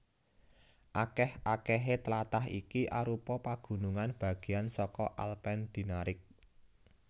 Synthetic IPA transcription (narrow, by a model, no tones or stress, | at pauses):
ʔakɛhʔakɛɦet̪əlat̪aɦḭkiʔaɾupɔpaɡ̥ṳnuŋanb̥ä̤ɡ̥e̤ansɔkɔʔalpɛnd̪̥i̤naɾɪk̚